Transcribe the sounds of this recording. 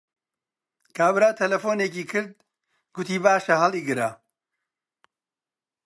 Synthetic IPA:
kʰaːbɾaːt̪ʰɐlɐfoːneːkiːkʰɨɾd̪̚ | ɡʊt̪iːbaːʃɐɦɐliːɡɨɾa

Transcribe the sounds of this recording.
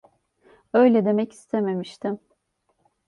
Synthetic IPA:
ø̞jlʲɛd̪e̞mɛci̥st̪ʰeme̞miʃt̪ʰim

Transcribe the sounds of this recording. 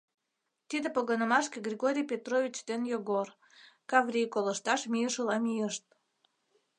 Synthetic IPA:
t̪id̪epoɣənəmɑʃkeɡrʲieɣoɾʲijpʲet̪rovʲit͡ɕd̪enjoɣor | kɑvrʲijkolə̆ʃt̪ɑʃmʲiəʃəlɑmʲijəʃt̪̚

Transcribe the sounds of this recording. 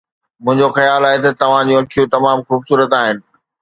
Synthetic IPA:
mʊ̃ɦɪ̃ɲd͡ʑoxɐjaːlaːɦet̪ɐt̪ɐʋ̤ãd͡ʑũɐkʰijũt̪ɐmaːmxuːbsuːɾət̪aːɦɪnɪ̆

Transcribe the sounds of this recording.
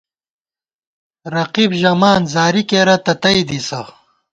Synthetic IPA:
ɾɐqibʑɐmaːnzaːɾikeːɾɐt̪ɐt̪ɐjd̪isɐ

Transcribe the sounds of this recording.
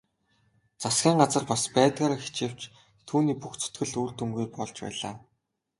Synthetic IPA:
t͡sasɡʲiːɴɢat͡sə̆rpaspæːt̪ɣaːɾaxi̥t͡ɕew̥t͡ɕ | t̪ʰuːniːpuxt͡sʰɵ̥t̪ɡɘ̆ɮuːrt̪umɡujpɔɮt͡ɕpæ̰ːɮa̰ː

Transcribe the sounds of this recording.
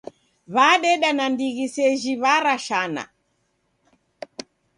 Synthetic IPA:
βaɗɛɗanandiɣisɛʒiβaɾaʃana̰

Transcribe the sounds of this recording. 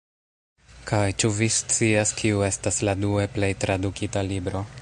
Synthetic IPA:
kajt͡ʃuvist͡siaskʰiue̞stasladue̞ple̞jtɾadukitalibɾo̞

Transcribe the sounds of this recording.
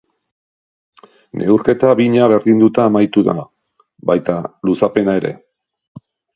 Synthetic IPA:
nʔe̞̰uɾke̞t̪aβiɲaβe̞ɾðind̪ut̪aːmajt̪uða̰ | bajt̪alusape̞naeɾe̞̰

